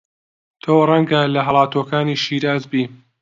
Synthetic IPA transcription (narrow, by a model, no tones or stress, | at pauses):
t̪ʰoːrˤɐŋɡɐlɐɦɐlˠɑːt̪oːkaːniːʃiːɾaːzbiː